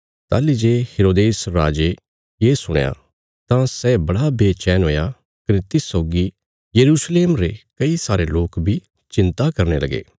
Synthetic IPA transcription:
t̪a̰ːlid͡ʒeːheːɾoːd̪eːsɾaːd͡ʒe | jeːsʊɽ̃ja̰ | t̪ãsɛːbɐɽabeːt͡ʃɛːnɦoːja | kɐnet̪ɪsoːɡi | jɐɾuːsleːmɾekɐisaːɾeloːkbʱi | t͡ʃɪ̃nt̪akɐɾnelɐɡḛː

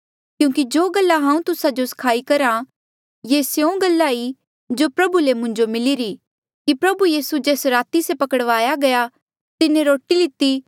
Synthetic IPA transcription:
kjũːkid͡ʒoːɡɐlːaɦãːũt̪ʊsad͡ʒoskʰaːikɐɾa | jesjõɡɐlːaːi | d͡ʒoːpɾɐbulemʊ̃ɲd͡ʒomɪliɾi | kipɾɐbujiːsud͡ʒeːsɾaːt̪isepɐkəɽʋaːjaɡɐja | t̪ɪnẽɾoːʈilɪt̪ːi

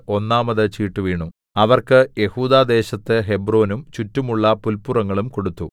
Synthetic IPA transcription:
o̞nːaːmɐðɨt͡ɕiːʈːuʋiːɳu | ɐʋɐrkɨje̞huːd̪aːd̪e̞ːɕɐt̪ːɨɦe̞bro̞ːnumt͡ɕutːumuɭːɐpulpurɐŋːɐɭumko̞ɽut̪ːu

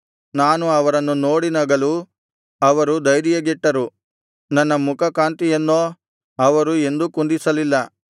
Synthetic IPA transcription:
naːnuɐʋɐɾɐnːunoːɽinɐɡɐlu | ɐʋɐɾud̪ɐjɾijɐɡiʈːɐɾu | nɐnːɐmukʰɐkaːnt̪ijɐnːoː | ɐʋɐɾue̞nd̪ukund̪isɐlilːɐ

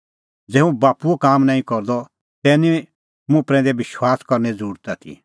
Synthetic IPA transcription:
d͡zɛːũbaːpuokaːmnaːĩkɔɾd̪ɔ | t̪ɛːnĩ | mũpɾɛ̃ːnd̪ɛbɪʃwaːskɔɾnɛd͡zəɾuːɾt̪at̪ʰḭ

